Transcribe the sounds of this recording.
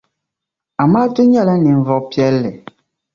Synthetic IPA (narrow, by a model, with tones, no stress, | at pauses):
a˨ma˦tu˦ɲɛ˦˨lɛ˦ni˨m̩˨vɔ˨kpi˦ɛ˦lːɛ˨